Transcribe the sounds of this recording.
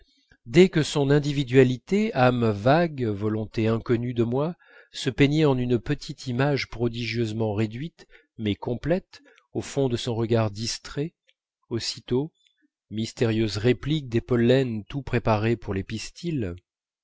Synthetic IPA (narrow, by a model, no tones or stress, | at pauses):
d̪ɛkəsɔ̃nɛ̃d̪ivid̪ɥalit̪eamvaɡvɔlɔ̃t̪eɛ̃kɔnyd̪əmwa | səpeɲɛɑ̃nynpət̪ʰit̪ʰimaʒpχɔd̪iʒjøzmɑ̃ʁed̪ɥit̪ | mɛkɔ̃plɛt̪ | ofɔ̃d̪əsɔ̃ʁəɡaʁd̪ist̪χɛ | osi̥t̪o | mist̪eʁjøzʁeplik̚d̪epɔlːɛnt̪upχepaʁepuʁlepist̪ʰil